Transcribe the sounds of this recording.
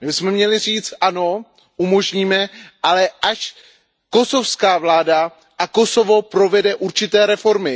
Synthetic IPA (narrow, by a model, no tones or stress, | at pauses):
mɪbɪsmɛmɲɛlɪriːt͡st̪ʔano̞ | ʔumo̞ʒɲiːmɛʔalɛʔaʃ | ko̞so̞fskaːvlaːda | ʔako̞so̞vo̞pɾo̞vɛdɛʔuɾt͡ʃɪt̪ɛːɾɛfo̞ɾmɪ